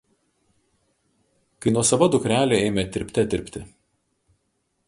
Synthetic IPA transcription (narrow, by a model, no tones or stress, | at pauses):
kɐɪnuɔsɐʋɐd̪ʊkɾʲæːlʲoɛɪmʲɛt̪ʲɪɾʲpʲt̪ʲɛt̪ʲɪɾʲpʲt̪ʲɪ